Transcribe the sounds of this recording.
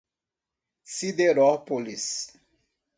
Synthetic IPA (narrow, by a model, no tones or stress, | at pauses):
sid̪eɾɔpolis